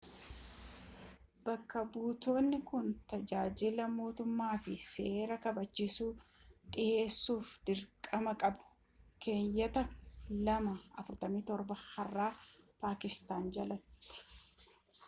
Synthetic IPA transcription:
bɐkːɐbuːt̪o̞ːnːɪkʊnt̪ɐd͡ʒaːd͡ʒɪlɐmo̞ːt̪ʊmːaːfɪse̞ːɾɐkɐbɐt͡ʃːɪsuːt̪ʼɪʔe̞ːsːuːfd̪̥ɪɾkʼɐmɐkʼɐbʊ̥ | ke̞ːjːɐt̪ɐlɐmɐɐfʊɾt̪ɐmiːt̪ɔɾbɐhɐrːaːpaːkɪst̪aːnd͡ʒɐlɐt̪ːɪ̥

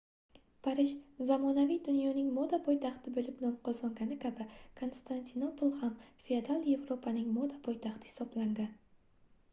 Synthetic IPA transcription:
pʰaɾɪʃzamɒnavijd̪ʊnjɒnɪŋmod̪apʰɒjt̪ʰaχt̪ʰɪbɪlɪpnɒmqʰɒzɒŋɡʲanɪkʲʰabɪkʰo̞nst̪ʰant̪ʰinopolˠhamfiad̪alˠje̞vɾo̞pʰanɪŋmod̪apʰɒjt̪ʰaχt̪ʰɪ̥hɪ̥sɒblaŋɡʲan

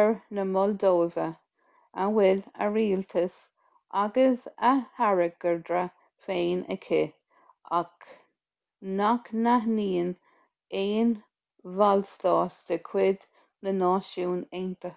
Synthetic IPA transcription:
əɹnəmɔld̪oːvə | awɪlə̰ɹiːlt̪ʰəs | ʔaɡəsahaɹəɡ̥əɹd̪ɾə | feːnə̰kʰɪ | ak | naknaɦniːn | eːn | valst̪ɑːtd̪̥əkʰwɪd̪ | nənɑːʃuːneːnt̪ə

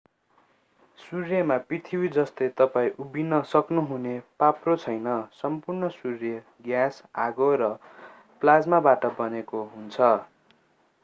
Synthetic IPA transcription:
surjʌmaprit̪ʰiwid͡zʌst̪et̪ʌpaĩʔubinʌsʌknuɦunepaprot͡sʰʌjnʌsʌmpurnʌsurjʌ | ɡjasaɡoɾʌ | plad͡zmabaʈʌbʌnekoɦunt͡sʰʌ

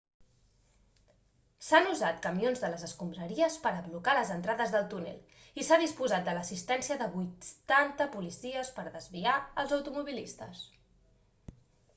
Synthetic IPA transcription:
sanuzat̪kəmionzðələzəskumbɾəɾiəspəɾəβlukaləzənt̪ɾaðəzðəlˠt̪unḛlˠ | isaðispuzat̪̚d̪ələsist̪ɛnsiəðəβujtt̪ɛnt̪əpulisiəspəɾðəzβiaəlˠzəwt̪umuβ̞ilist̪əs

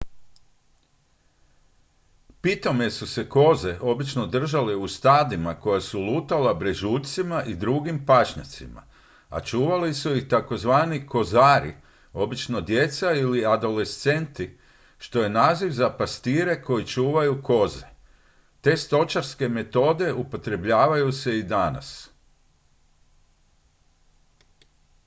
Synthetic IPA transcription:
pit̪o̞mje̞suse̞ko̞ze̞ʔo̞bit͡ʃno̞d̪r̩ʒaleust̪aːd̪imako̞jasuluːt̪alabɾeʒuːʎʲt̪simaʔid̪ɾuɡimpaʃɲa̰t̪sima̰ | a̰t͡ʃuːʋalisuixt̪ako̞zʋaːniko̞zaːɾḭ | o̞bit͡ʃno̞d̪je̞t̪sailiad̪o̞le̞st̪se̞nt̪i | ʃt̪o̞je̞naːziʋzapast̪iːɾe̞ko̞jit͡ʃuːʋajuko̞ze̞ | t̪e̞ːst̪o̞t͡ʃaɾske̞me̞t̪o̞ːd̪e̞upo̞t̪ɾe̞bʎaːʋajuse̞id̪ana̰s

